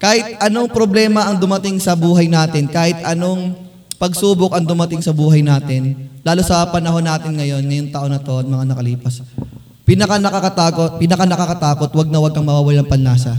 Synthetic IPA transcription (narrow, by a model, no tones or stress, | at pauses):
kaːhɪt̪̚ʔɐno̞ŋpɾo̞blɛːmɐʔɐŋd̪ʊmɐt̪ɪŋsɐbuːɦɐjnaːt̪ɪnkaːhɪt̪̚ʔɐno̞ŋ | pɐɡsuːbokɐŋd̪ʊmɐt̪ɪŋsɐbuːɦɐjnaːt̪ɪnlaːlʊsɐpɐnɐɦo̞nːaːt̪ɪnŋɐjo̞nŋɐjoŋt̪aʔo̞nɐt̪o̞ʔɐt̪̚mɐŋanɐkɐliːpɐs | pɪnɐkanɐkɐkɐt̪aːkot̪̚pɪnɐkanɐkɐkɐt̪aːko̞t̪wɐɡ̚nɐwɐɡ̚ʔɐŋmɐwaːwɐlaŋpɐnlaːsɐ